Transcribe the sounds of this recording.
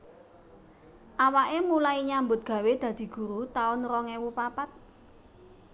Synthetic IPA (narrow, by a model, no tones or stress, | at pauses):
ʔawaʔemulaiɲambʊt̪̚ɡ̥ä̤wed̪̥ä̤d̪̥i̤ɡ̥ṳɾut̪aʊnrɔŋewupapat̪̚